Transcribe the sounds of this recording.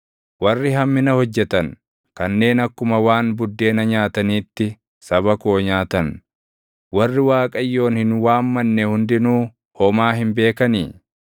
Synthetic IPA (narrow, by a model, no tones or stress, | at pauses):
wɐrːɪɦɐmːɪnɐhɔd͡ʒːɛt̪ɐn | kɐnːe̞ːnɐkːʊmɐwaːnbʊd̪ːe̞ːnɐɲaːt̪ɐniːt̪ːɪ | sɐbɐkoːɲaːt̪ɐn | wɐrːɪwaːkʼɐjːo̞ːnhɪnwaːmːɐnːɛhʊnd̪ɪnuː | hɔmaːɦɪmbe̞ːkɐnḭː